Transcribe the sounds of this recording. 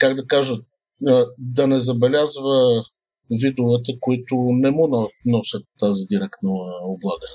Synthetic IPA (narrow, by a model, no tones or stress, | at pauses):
kaɡd̪ɐkaʒə | d̪ɐnɛzɐbɛlʲazvə | vid̪ʊvɛt̪əkʊit̪ʊnɛmunnɔsət̪ːazid̪iɾɛkt̪nəoblˠaɡə